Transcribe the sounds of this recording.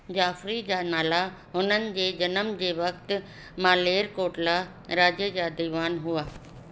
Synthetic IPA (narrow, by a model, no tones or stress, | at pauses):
d͡ʑaːfɾid͡ʑaːnaːla | ɦʊnənɪ̆d͡ʑeːd͡ʑɐnəmd͡ʑeːʋɐkt̪̆ | mãːleːɾkoːʈla | ɾaːd͡ʑed͡ʑaːd̪iːʋaːnɦuaː